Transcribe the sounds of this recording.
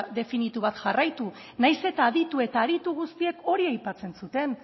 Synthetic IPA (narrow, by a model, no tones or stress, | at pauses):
ðe̞finit̪uβat̪ʝarajt̪u | najse̞t̪aːðit̪ue̞t̪aːðit̪uɣust̪ie̞ko̞ɾiajpat͡se̞nsut̪e̞n